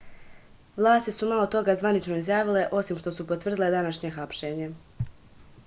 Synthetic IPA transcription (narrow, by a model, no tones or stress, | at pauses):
ʋlˠaːst̪isumalˠo̞t̪o̞ɡazʋanit͡ʃno̞izjaːʋile̞ʔo̞simʃt̪o̞supot̪ʋr̩d̪ile̞d̪anaʃɲe̞xapʃe̞ːɲe̞